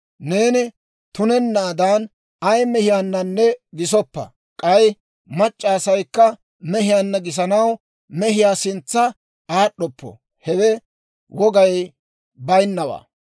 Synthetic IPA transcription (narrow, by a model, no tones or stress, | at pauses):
ne̞ːnɪ | t̪ʊnɛnːaːd̪an | ɐjmɛhɪjaːnːɐnːɛɡɪs̬ɔpːɐ̰ | kʼɐj | mɐt͡ʃʼːaːsɐjkːɐ | mɛɦɪjanːɐɡɪs̬ɐnɐw | mɛɦɪjaːsɪnt͡sːɐ | aːɗːɔpːɔ̰ | hɛwɛ | wɔɡɐj | bɐjnːɐwa̰ː